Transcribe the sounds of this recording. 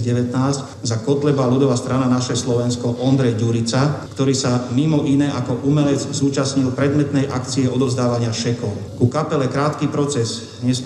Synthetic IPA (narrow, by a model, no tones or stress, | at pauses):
ɟɛʋɛt̪naːzc | zakɔt̪lɛbaːlud̪ɔʋast̪ɾananaʃɛslɔʋɛnskɔʔɔnd̪ɾɛjɟuɾit͡sakt̪ɔɾiːsamimɔʔinɛːʔakɔʔumɛlɛd͡zzuːt͡ʃasɲilpɾɛd̪mɛt̪nɛjʔa̰kt͡siɛɔd̪ɔʊzd̪aːʋaɲɪaʃɛkɔʊkukapɛlɛkɾaːt̪kipɾɔt͡sɛz | ɲɛs